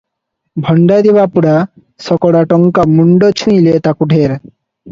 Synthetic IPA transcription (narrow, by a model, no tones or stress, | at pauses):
bʱɔɳɖad̪ibapuɽa | sɔkɔɽaʈɔŋkamuɳɖɔt͡ɕʰũilet̪akuɖʱeɾ